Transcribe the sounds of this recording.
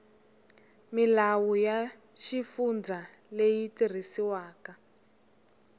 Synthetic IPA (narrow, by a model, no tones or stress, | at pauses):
milawuja | ʃifund͡zʱalejitir̤isiwaːka